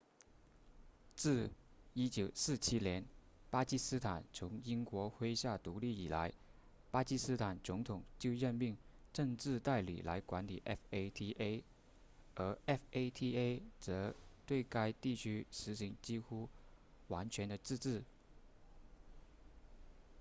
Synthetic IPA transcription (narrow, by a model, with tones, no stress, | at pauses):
t͡sɹ̩˥˩i˥t͡ɕjo˨˩ʊsɹ̩˥˩t͡ɕʰi˥njɛ˧˥n | pa˥t͡ɕi˥sɹ̩˥t̪ʰa˨˩nt͡sʰʊ˧˥ŋi˥nkwɔ˧˥xwe˥ɪɕja˥˩t̪u˧˥li˥˩i˨˩la̰˧˥ɪ | pa˥t͡ɕi˥sɹ̩˥t̪ʰa˨˩nt͡sʊ˧˥ŋt̪ʰʊ˨˩ŋt͡ɕjo˥˧ʊɻə˥˧nmi˥˧ŋʈ͡ʂɤ˥˧ŋʈ͡ʂɻ̩˥˧t̪a˥˩ɪlḭ˨˩la˧˥ɪkwa˧˥nli˨˩ʔɛ˥fe˥ɪt̪ʰi˥ʔe˥ɪ | ə˧˥ɛ˥fe˥ɪt̪ʰi˥e˥ɪt͡sɤ˧˥t̪we˥˩ɪka˥ɪt̪i˥˩t͡ɕʰy˥ʂɻ̩˧˥ɕi˧˥ŋt͡ɕi˥xu˥ | wa˧˥nt͡ɕʰɥɛ˧˥nd̪ə˧t͡sɻ̩˥˧ʈ͡ʂɻ̩˥˩